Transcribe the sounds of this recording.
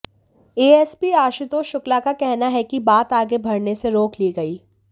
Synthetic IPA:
eːɛːspiaːʃɪt̪õʃʊklakakɛɦnaɦɛkibaːt̪aːɡebʱɐɾneseɾoːkliːɡɐiː

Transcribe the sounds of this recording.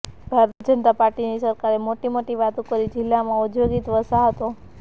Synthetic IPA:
b̥ʱaɾt̪iəd͡ʒənt̪apaɾʈinisəɾkaɾemoʈimoʈiʋat̪ũkəɾid͡ʒɪlːamãud͡ʒjoɡit̪ʋəsaɦət̪o

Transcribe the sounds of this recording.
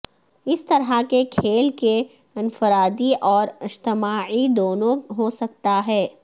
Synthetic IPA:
ɪst̪ɐɾɦakekʰeːlke | ɪnfɪɾaːd̪iʔɔːɾɪd͡ʒt̪ɪmaːid̪oːnõɦosɐk̚t̪aɦɛː

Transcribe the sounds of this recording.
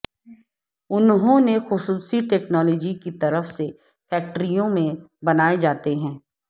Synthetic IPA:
ʊnɦõnexʊsuːsiʈɛːknɔːlɔːd͡ʒikit̪ɐɾəfse | fʰɛːk̚ʈɾijõmẽbɐnaːed͡ʒaːt̪eɦɛ̃ː

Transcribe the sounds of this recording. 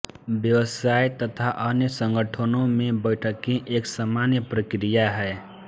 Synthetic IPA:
bjəʋəsaːit̪ət̪ʰaʔənjəsə̃ŋɡəʈʰənõmẽbəʈʰəkẽʔeːksamaːnjəpɾəkɾijaɦɛː

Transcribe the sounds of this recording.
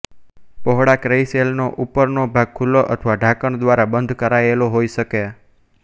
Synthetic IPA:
pɔɦɽakɾəjselnoʔupəɾnobʱaɡ̚kʰulːoʔə̰t̪ʰʋaɖʱakəɳd̪ʋaɾabənd̪ʱkəɾaeloɦoiʃəke

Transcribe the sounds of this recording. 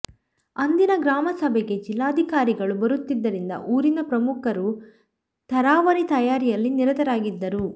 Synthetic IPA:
ɐnd̪inɐɡɾaːmɐsɐbʱɛɡe̞d͡ʒilːaːd̪ʱikaːɾiɡɐɭubɐɾut̪ːid̪ːɐɾind̪ɐ̰ʔuːɾinɐpɾɐmukɐɾu | t̪ɐɾaːʋɐɾit̪ɐjaːɾijɐlːiniɾɐt̪ɐɾaːɡid̪ːɐɾu

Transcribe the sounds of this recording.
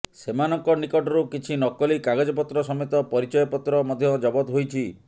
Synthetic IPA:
semanɔŋkɔnikɔʈɔɾukit͡ʃʰinɔkɔlikaɡad͡ʒɔp̬ɔt̪ːɾɔsɔmet̪ɔpɔɾit͡ʃɔjɔpɔt̪ːɾɔmɔd̪ʱjɔd͡ʒɔbɔt̪ɦojt͡ʃʰi

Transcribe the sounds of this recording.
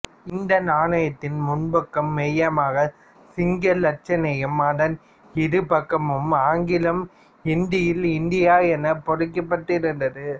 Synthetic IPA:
ɪnd̪ɐnaːnɐjɐt̪ːɪnmʊnbɐkːɐmːɛjɐmaːɣɐ | sɪŋɡɐlɐʈ̚t͡ʃɐnɐjɐmɐɽɐn | ɪɾɯpɐkːɐmɯmaːŋɡɪlɐm | ɪnd̪ɪjɪlɪnd̪ɪjaːɛnɐpɔɽɯkːɐpːɐʈːɪɾɯnd̪ɐðɯ

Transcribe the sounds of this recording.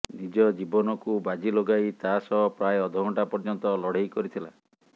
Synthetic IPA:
nid͡ʒɔd͡ʒibɔnɔkubad͡ʒiloɡajt̪asɔɔpɾajɔd̪ʱɔɔʈapɔɾd͡ʒɔnt̪ɔlɔɽ̤ejkɔɾit̪ʰila

